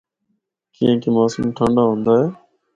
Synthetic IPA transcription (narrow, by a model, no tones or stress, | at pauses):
kiːẽːkiːmoːsəmʈʰə̃ɳɖaːɦõːnd̪aːɦeː